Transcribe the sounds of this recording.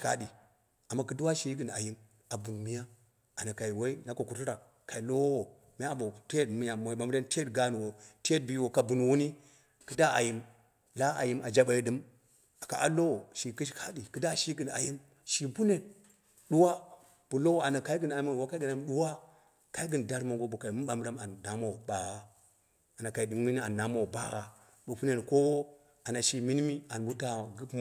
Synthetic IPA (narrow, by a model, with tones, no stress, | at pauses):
ka̰˦ɗi˨ | a˨mːa˦kɨ˦du˦wa˦ʃi˦ɡɨ˨na̰˨ji˦n | a˨bu˨nmi˦ja˦ | a˨na˨ka˨i˨we˦i˦na˦ko˨ku˨tu˦ɾa˨ | ka˨i˨lo˦wwo˨ | m˦a˦bo˨te˦˨tmi˦ja˨m˨ma˨m˦ɾe˦nte˦tɡa˨nu˨wo˨te˦t̚bi˦wo˨ka˨bu˨n˨wu˦ni˦ | kɨ˦da˦a̰˨ji˨m | la˦a̰˨ji˦ma˨d͡ʒa˦ɓa˨ji˨ɗɨ˨m | a˨ka̰˨ʔa̰˦lo˦wo˨ʃi˨ki˦ʃka˦di˨kɨ˦da˦ʃi˦ɡɨ˨na̰˨ji˦n | ʃi˨bu˦ne˨ | ɗu˦wa˦ | b̥u˨lo˦wa˨na˨ka˦i˦ɡɨ˦na˨i˦ma˦˨wa˦ka˦ɡi˨na˦mɗu˦wa˦ | ka˦i˦ɡɨ˨n˨da˦ɾmo˨ŋɡo˦bu˨ka˨i˨mu˦a˨˦m˦ɾa˦ma˨nːa˦ma˦˨ba˨wa˦ | a˨na˨ka˨i˨di˨ŋmi˦ni˦a˨nːa˦ma˦˨ba̰˦ɣa˨ | bu˨pu˦ne˨nko˦wo˦ | a˨na˨ʃi˨mi˦n˦mi˦a˨nbu˦ta˨ɡɨ˦pm˦